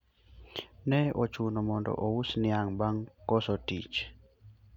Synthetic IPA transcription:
nɛɔt͡ʃunɔmɔndɔ̰ʔɔwusniaŋbaŋkɔsɔtḭt͡ʃ

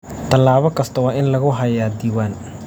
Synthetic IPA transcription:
t̪ʰɐlːaːβɔkʰɐst̪ʰɐwɑːʔɪnlɐɣʊɦɐjaːd̪iːwaːn

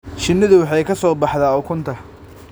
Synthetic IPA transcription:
ʃɪnːɪðʊwɑħɑjkʰɐsɔːbɑħðaːɔkʰʊnt̪ʰɐ

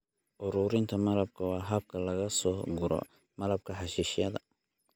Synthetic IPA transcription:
ʔʊɾuːɾɪnt̪ʰɐmɐlɐb̚kʰɐwɑːɦɐb̚kʰɐlɐɣɐsɔːɡʊɾɔ̰ | mɐlɐb̚kʰɐħɑʃiːʃɪjɐðɐ

